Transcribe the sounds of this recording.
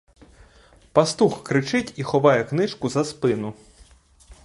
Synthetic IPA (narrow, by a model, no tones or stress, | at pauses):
pɐst̪uxkɾɪt͡ʃɪtʲixɔʋɑjɛknɪʃkʊzɐspɪnʊ